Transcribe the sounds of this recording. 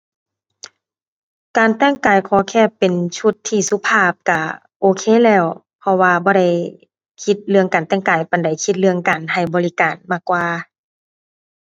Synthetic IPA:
kaː˨˩nt̪ɛː˧˥˩ŋkaː˨˩jkʰɔː˧˦kʰɛː˧˩˨pːe˨nt͡ɕʰu˧˩t̪ʰːiː˧˩su˧˨pʰaː˧˩p̚ka˧˩ | ʔoː˧˦kʰeː˧˥˨lɛː˧˩w | pʰɔ˧waː˧bɔː˧ɾa˧˩j | kʰi˧t̪̚lɯ˧əŋkaː˨˩nt̪ɛː˧˩ŋkaː˨˩jpa˨˩nda˨˩jkʰi˧t̪̚lɯ˧əŋkaː˨˩nha˨˩jbɔː˨li˧kaː˨˩nmaː˧˩kːwaː˧

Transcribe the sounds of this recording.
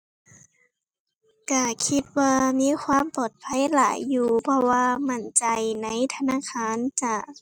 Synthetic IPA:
ka˧˩kʰi˧t̪̚waː˧miː˧˥˨kʰwaː˧˥˨mpɔː˨˩t̪̚pʰa˧˥˨jlaː˨˩˦jːuː˧pʰɔ˧waː˧ma˧˩˨nt͡ɕa˨˩jna˧˥˨jt̪ʰa˧naː˧˥˨kʰaː˧˥˨nt͡ɕa˧˩

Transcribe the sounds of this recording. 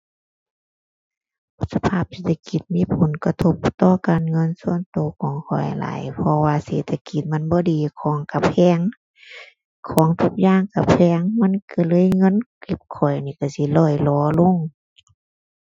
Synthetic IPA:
pʰu˧˦sa˧pʰaː˧˨p̚seː˧t̪ʰːa˧ki˧˦t̪̚miː˧˥˨pʰo˨˦nka˧t̪ʰo˧˥p̚t̪ɔː˧˨kaː˨nŋɤ˧˥˨nsu˧˥˨ənt̪oː˨˦kʰɔː˨˦ŋkʰɔ̰˨˩jla̰ː˨˦jpʰɔ˧waː˧seː˨˧˦t̪ʰːa˧ki˧˦t̪̚m˧˥˨nbɔː˧˦diː˨kʰɔː˨˦ŋka˧pʰɛː˧˥˨ŋ | kʰɔː˨˦ŋt̪ʰu˧k̚jaː˧˥˨ŋka˧˩pʰɛː˧˥ŋma˧˥˨nka˧˩lɤː˧˥˨jŋɤ˧˥˨nki˧˦p̚kʰɔ˨˩jniː˧˩˨ka˧˩si˧˦lɔː˧˩jlɔː˨˧˦lo˧˥˨ŋ

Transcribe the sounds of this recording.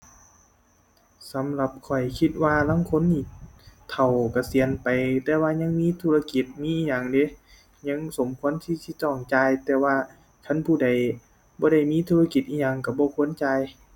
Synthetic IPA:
sa˨˦mla˧p̚kʰɔ˨˩jkʰi˧t̪̚waː˧laː˧˥˨ŋkʰo˧˥˨nːiː˧˩t̪ʰa˨˩wka˧˩si˨ənpa˨jt̪ɛː˧waː˧ɲa˧˥ŋmiː˧˥˨t̪ʰuː˧˨a˧ki˧˦t̪̚miː˧˥ʔiː˧ɲa˧˨ŋde˧˦ | ɲa˧˥˨ŋso˨˦mkʰu˧˥ə˨nt̪ʰiː˧˥si˧˨t̪ɔː˧˩ŋt͡ɕaː˧jt̪ɛː˧waː˧ | kʰa˧˨npʰuː˧˩˨da˨˩j | bɔː˧˦ɾa˧˩jmiː˧˥˨t̪ʰuː˧a˧ki˧t̪ʔiː˧˩ɲa˧˨ŋka˧˩bɔː˧˦kʰu˧˥˨ənt͡ɕaː˧j

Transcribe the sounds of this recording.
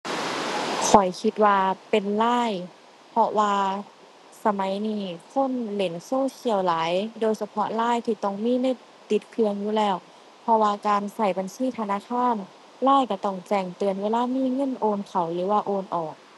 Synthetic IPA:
kʰɔ˨˩jkʰi˧˦t̪̚waː˧pe˨nlaː˧˥˩j | pʰɔ˧waː˧ | sa˧ma˨˦jniː˧˩kʰo˧˥˨nle˨˦nsoː˧˥˨si˧˩əwlaː˨˦jdoː˧jsa˧pʰɔ˧˦laː˧˥˩jt̪ʰiː˧˩t̪ɔ˧˩ŋmiː˧˥˨na˧˩˨j | t̪i˧˦t̪̚kʰɯ˧əŋjuː˧˦lɛː˧˩w | pʰɔ˧waː˧kaː˨˧nsa˧˩jba˨nsiː˧˩˨t̪ʰa˧naː˧˥˨kʰaː˧˥˨n | laː˧˥˨jka˧˩t̪ɔ˧˩ŋt͡ɕɛː˧˩ŋt̪ɯ˨˧ənweː˧˥˨laː˧˥˨miː˧˥˨ŋɤ˧˥˨nʔoː˧nkʰa˨˩wlɯː˨˦waː˧ʔoː˧nʔɔː˨˩k̚

